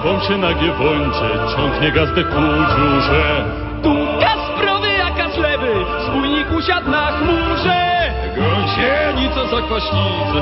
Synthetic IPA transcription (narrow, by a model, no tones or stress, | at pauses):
vɔ̃w̃ɕɛnaɡʲjɛvɔɲt͡ɕɛt͡ɕɔ̃ŋkɲɛɡazd̪ɛkud͡ʑuʐɛ | t̪ukaspɾɔd̪ɪjakazlɛbɪ | spujɲikuɕad̪nakmuʐɛ | ɡɔt͡ɕɛɲit̪sɔzakvaɕlʲiz